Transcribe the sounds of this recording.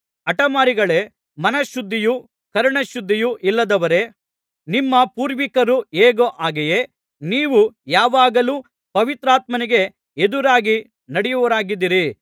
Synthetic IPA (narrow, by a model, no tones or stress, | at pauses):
ɐʈɐmaːɾiɡɐɭe̞ | mɐnɐʃud̪ʱːiju | kɐɾɐɳɐʃud̪ʱːijuʔilːɐd̪ɐʋɐɾe̞ | nimːɐpuːɾʋikɐɾueːɡoʔaːɡɛje̞ | niːʋujaːʋaːɡɐluː | pɐʋit̪ɾaːt̪mɐniɡe̞ | ed̪uɾaːɡi | nɐɽɛjuʋɐɾaːɡid̪ːiɾi